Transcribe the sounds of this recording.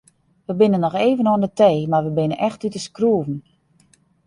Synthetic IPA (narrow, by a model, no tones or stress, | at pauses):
ʋəbɪnənːɔxeːvənoəndəteːmarʋəbɪnənʔɛxtytəskruəvn̩